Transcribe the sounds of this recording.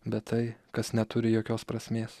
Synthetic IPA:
bʲɛt̪t̪ɐɪkɐsnʲɛt̪ʊɾʲɪjoːkʲoːspɾɐsʲmʲeːs

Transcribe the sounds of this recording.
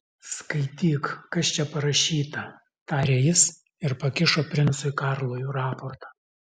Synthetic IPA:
skɐɪt̪ʲiːkkɐst͡ʃʲɛpɐɾɐʃʲiːt̪ɐ | t̪ɑːɾʲeːjɪs | ɪɾpɐkʲɪʃoːpʲɾʲɪnt̪sʊɪkɑˑɾlˠoːjʊːɾɑːpoɾt̪ɑ

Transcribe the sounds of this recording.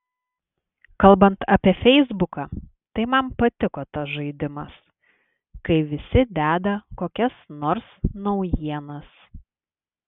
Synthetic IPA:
kɐlˠbɐnt̪ʰɐpʲiɛfʲɛɪzbʊkɑ | t̪ɐɪmɐmpɐt̪ʲɪkoːt̪ɐsʒɐɪd̪ʲɪmɐs | kɐɪʋʲɪsʲɪd̪ʲæːd̪ɐkoːkʲɛsnɔːɾsnɒʊjiɛnɐs

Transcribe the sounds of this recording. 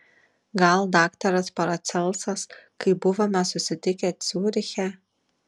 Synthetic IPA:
ɡɐlˠd̪ɑːkt̪ɐɾɐspɐɾɐt̪sʲɛlˠsɐskɐɪbʊʋomʲɛsʊsʲɪt̪ʲɪkʲɛt̪sʲuːɾʲɪxʲɛ

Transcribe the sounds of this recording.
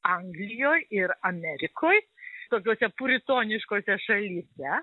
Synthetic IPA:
ɐŋɡlʲɪjoːjɪɾɐmʲɛɾʲɪkʰoːj | t̪oːkʲoːsʲɛpʊɾʲɪt̪oːnʲɪʃkoːsʲɛʃɐlʲiːsʲɛ

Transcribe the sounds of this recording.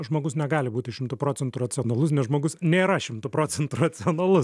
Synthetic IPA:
ʒmoːɡʊsnʲɛɡɑːlʲɪbuːt̪ʲɪʃʲɪmt̪ʊpɾoːt͡ssʲɛnt̪ʊrɐtsʲɪoːnɐlˠʊsnʲɛsʒmoːɡʊsnʲeːɾɐʃʲɪmt̪ʊpɾoːt͡ssʲɛnt̪ʊrɐt͡s̪ʲɪoːnɐlˠʊs

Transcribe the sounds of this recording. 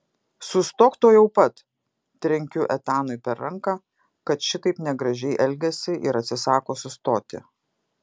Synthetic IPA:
sʊst̪oːkt̪oːjɛʊpɐt̪ | t̪ʲɾʲɛŋʲkʲʊʔɛt̪ɑːnʊɪpʲɛɾɾɐŋkɑ | kɐt̪ʃʲɪt̪ɐɪpnʲɛɡɾɐʒʲɛɪʔɛlʲɡʲɛsʲɪʔɪɾɐt̪ʲsʲɪsɑːkoːsʊst̪oːt̪ʲɪ̰

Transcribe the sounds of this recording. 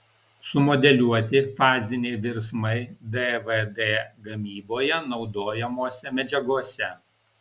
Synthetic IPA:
sʊmɔd̪ʲɛlʲuɔt̪ʲɪfɑːzʲɪnʲɛɪʋʲɪɾsmɐɪd̪ɛʋed̪ɛːɡɐmʲiːboːjɛnɒʊd̪oːjɛmoːsʲɛmʲɛd͡ʒʲɛɡuɔsʲɛ

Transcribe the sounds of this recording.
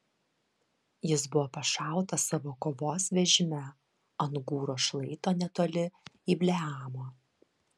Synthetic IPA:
jɪsbʊʋoːpɐʃɑˑʊt̪ɐsɑʋoːkoːʋoːsʋʲɛʒʲɪmʲɛ | ɐnɡuːɾoːʃlˠɐɪt̪oːnʲɛt̪oːlʲɪiːbʲlʲɛɑːmoː

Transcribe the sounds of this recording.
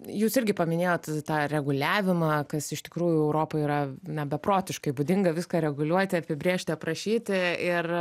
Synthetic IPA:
juːsɪɾʲɡʲɪpɐmʲɪnʲeːjoːt̪t̪ɑːɾʲɛɡʊlʲæːʋʲɪmɑːkɐsɪʃt̪ʲɪ̥kɾuːjʊɛʊɾoːpɐɪiːɾɐnʲɛbʲɛpɾoːt̪ʲɪʃkɐɪbʊd̪ʲɪŋɡɐʋʲɪskɐːɾʲɛɡʊlʲuɔt̪ʲɪɐpʲɪbʲɾʲeːʃʲt̪ʲɪɐpɾɐʃʲiːt̪ʲɪɪr

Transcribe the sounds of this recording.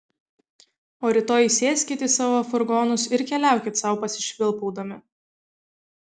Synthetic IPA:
oːɾʲɪt̪oːjisʲeːsʲkʲit̪ʲiːsɑːʋoːɐfʊɾɡoːnʊsɪɾkʲɛlʲæˑʊkʲɪt̪sɐˑʊpɐsʲɪ̥ʃʲʋʲɪlˠpɔʊd̪ɐmʲɪ

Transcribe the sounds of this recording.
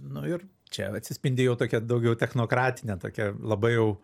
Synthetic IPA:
nʊɪr | t͡ʃʲɛ̰ɐt̪ʲsʲɪsʲpʲɪnʲd̪ʲɪjɛʊt̪oːkʲɛd̪ɐʊɡʲɛʊt̪ʲɛxnoːkɾɑːt̪ʲɪnʲɛt̪o̰ːkʲɛlˠɐbɐɪjɛʊ

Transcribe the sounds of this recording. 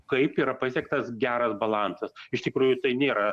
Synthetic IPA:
kɐɪpiːɾɐpɐsʲɛkt̪ɐsɡʲæːɾɐsbɐlˠɑnsɐsɪʃt̪ʲɪkɾuːjʊt̪ɐɪnʲeːɾɐ

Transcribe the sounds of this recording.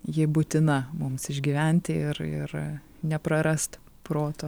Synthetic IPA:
jɪbʊt̪ʲɪnɐmʊmsɪʒʲɡʲiʋʲɛnʲt̪ʲɪɪɾɪ̰r | nʲɛpɾɐɾɐst̪ | pɾoːt̪o

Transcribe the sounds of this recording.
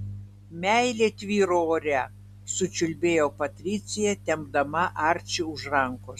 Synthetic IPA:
mʲæɪlʲeːt̪ʲʋʲiːɾooːɾʲɛ | sʊt͡ʃʲʊlʲbʲeːjoːpɐt̪ʲɾʲɪt̪sʲɪjɛt̪ʲɛmb̚d̪ɐmɐʔɑɾʲt͡ʃʲɪʊʃɾɐŋkʊ

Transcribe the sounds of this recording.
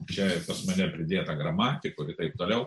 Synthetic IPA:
t͡ʃʲɛpɐsmɐnʲɛpʲɾʲɪd̪ʲeːt̪ɐɡrɐmɑːt̪ʲɪkʊɪt̪ɐɪp̚t̪oːlʲɛʊ

